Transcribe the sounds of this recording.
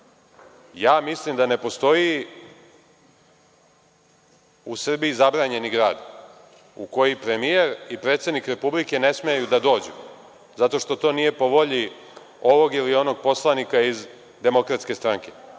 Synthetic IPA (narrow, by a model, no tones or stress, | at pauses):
jaːmislimd̪ane̞po̞st̪o̞ji | usr̩biizabɾaːɲe̞niɡɾaːd̪ | uko̞jipɾe̞mije̞ɾipɾe̞t̪se̞d̪nikɾe̞publike̞ne̞smeajud̪ad̪o̞ːd͡ʑṵ | zat̪o̞ʃt̪o̞t̪o̞ːnije̞po̞ʋo̞ʎi | o̞ʋo̞ɡilio̞noɡ̚po̞slˠanikaiz | d̪e̞mo̞kɾat̪ske̞st̪ɾaŋke̞